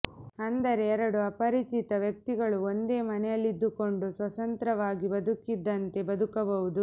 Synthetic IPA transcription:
ɐnd̪ɐɾe̞ːɾɐɽuɐpɐɾit͡ʃit̪ɐʋjɐk̚t̪iɡɐɭuond̪e̞ːmɐnɛjɐlːid̪ːuko̞ɳɖusʋɐt̪ɐnt̪ɾɐʋaːɡibɐd̪ukid̪ːɐnt̪e̞bɐd̪ukɐbɐʋud̪u

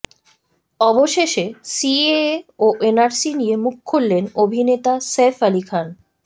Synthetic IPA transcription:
ɔboʃeʃesieoʔenaɾsinijemukʰːolːenobʱinet̪asefalikʰan

